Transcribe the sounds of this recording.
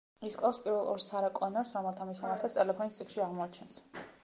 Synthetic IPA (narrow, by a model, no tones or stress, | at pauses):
iskʼlˠaspʼiɾvɛlˠʔɔ̰ɾsaɾakʼɔnaɾsɾɔmɛlˠt̪ʰamisamaɾt̪ʰɛb̚t̪ʼɛlɛpʰɔnist̪sʼikʰʃiaʁmɔat͡ʃʰɛns